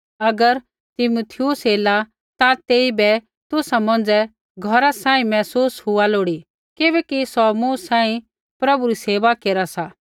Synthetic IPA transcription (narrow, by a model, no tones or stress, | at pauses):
ɐɡəɾ | t̪ɪmut̪ʰɪjusɦeːla | t̪at̪eːibɛ | t̪ʊsamɐ̃nd͡zɛ | ɡʱɔɾasãːĩmɛːsuːsɦʊaloːɽi | kɪbɛːkisɔmuːsãːĩ | pɾɐbuɾiseːʋakeːɾasa